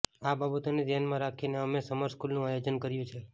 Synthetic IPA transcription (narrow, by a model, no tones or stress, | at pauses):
ababət̪oned̪janmãɾakʰineəmesəməɾskulnũajod͡ʒənkəɾjũt͡ʃʰe